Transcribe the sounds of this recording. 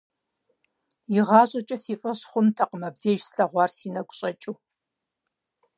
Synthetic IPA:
iʁɑːɕʼɐt͡ʃʼɐsiːfʼɐɕχʷʊmtʰaqəmɐbdeːʒsɬɐʁʷɑːrsiːnɐɡʷʼɕʼɐt͡ʃʼuː

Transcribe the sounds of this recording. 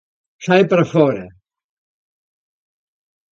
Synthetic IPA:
sajpɾɐfɔɾɐ

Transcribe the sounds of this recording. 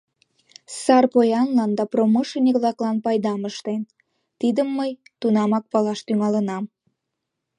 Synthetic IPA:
sɑrpojɑnlɑnd̪ɑproməʃənʲekβlɑklɑnpɑjd̪ɑməʃt̪en | t̪id̪əmːəjt̪unɑmɑk̚pɑlɑʃt̪yŋɑlənɑm

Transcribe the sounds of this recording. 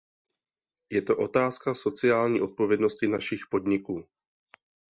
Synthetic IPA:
jɛt̪o̞ʔo̞t̪aːskaso̞t͡sɪjaːlɲiːʔo̞t̪̚po̞vjɛdno̞scɪnaʃɪxpo̞d̪ɲɪkuː

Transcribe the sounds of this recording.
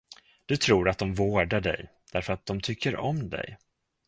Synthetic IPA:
d̪̥ɵt̪ʰɾuːɾat̪̚d̪ɔmvoːɖaɖɛ̰jd̪̥æɾfœɾat̪̚d̪ɔmt̪ʰʏkʰːəɾɔmd̪ɛ̰j

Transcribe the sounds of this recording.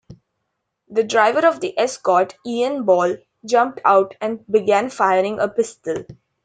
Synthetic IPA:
d̪əɖɾaɪʋəɾɔʋd̪iʔɛskɔːʈiːə̃nbɔːl | d͡ʒʌ̃mp̚ʈʰaʊʈæ̃ɳɖbɪɡæ̃nfaɪəɾɪ̃ŋəpɪsʈəl

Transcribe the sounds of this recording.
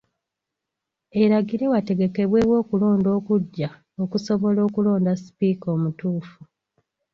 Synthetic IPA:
e̞ɾaɡiɾe̞wate̞ɡe̞ke̞βwe̞ːwo̞ːkulo̞ːndo̞ːkuɟːa | o̞kuso̞βo̞lo̞ːkulo̞ːndasi̥piːkoːmutuːfu

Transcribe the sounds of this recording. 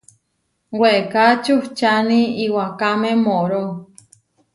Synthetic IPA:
weʔkat͡ʃuht͡ʃanĩiwakamẽmõʔɾo

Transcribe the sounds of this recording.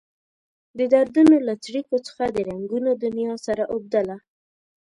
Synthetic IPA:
d̪əd̪aɾd̪unolat͡sɽikot͡sə̥xad̪əɾaŋɡunod̪ʊnjɑsaɾaʔob̚d̪əla

